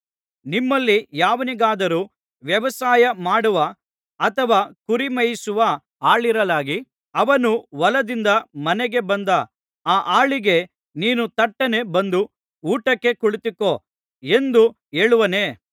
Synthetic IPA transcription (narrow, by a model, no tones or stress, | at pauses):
nimːɐlːijaːʋɐniɡaːd̪ɐɾuː | ʋjɐʋɐsaːjɐmaːɽuʋɐ | ɐt̪ʰɐʋaːkuɾimɐjisuʋɐ | aːɭiɾɐlaːɡi | ɐʋɐnuʋɐlɐd̪ind̪ɐmɐnɛɡe̞bɐnd̪ɐ | aːʔaːɭiɡe̞ | niːnut̪ɐʈːɐne̞bɐnd̪u | uːʈɐkːe̞kuɭit̪ikːoː | e̞nd̪u | e̞ːɭuʋɐne̞ː